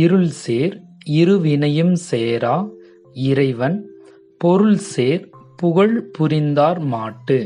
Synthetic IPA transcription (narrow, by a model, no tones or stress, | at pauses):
ɪɾɯɭseːɾɪɾɯʋɪnɐjɯmseːɾaː | ɪɾɐɪʋɐn | pɔɾɯɭseːɾpʊɣɐɭpʊɾɪnd̪aːɾmaːʈːɯ